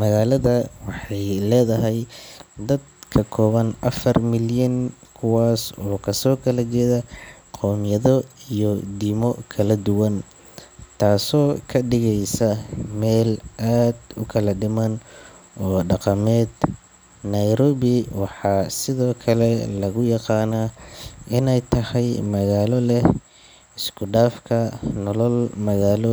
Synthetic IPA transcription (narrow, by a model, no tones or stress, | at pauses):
mɐɣaːlɐðɐwɑħɑjlɛːðɐɦɛjd̪ɐd̪̚kʰɐkʰɔːβɐnʔɐfɐrmɪljɐŋkʰʊwaːsɔːkʰɐsɔːkʰɐlɐt͡ʃɛːðɐ | qʰɔːmjɐðɔijɔd̪iːmɔkʰɐlɐd̪ʊwɐn | t̪ʰaːsɔːkʰɐɖɪɣɛjsɐmɛːlʔaːd̪ʊkʰɐlɐɖɪmɐn | ɔːɖɑqɑmɛːd̪̥ | nɐjɾɔːβɪwɑħɑːsɪðɔːkʰɐlɛlɐɣʊjɑqɑːnaʔɪnɛjt̪ʰɐhɛjmɐɣaːlɔlɛ | ɪskʰʊɖaːfkʰɐnɔlɔlmɐɣaːlɔ